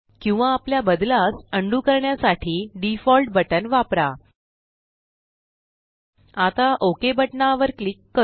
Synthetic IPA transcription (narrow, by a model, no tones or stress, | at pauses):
kĩw̃ʋaːpljabəd̪lasəɳɖukəɾɳjasaʈʰiːɖifɔlʈbəʈənʋapɾa | at̪aʔokebəʈɳaʋəɾklikːə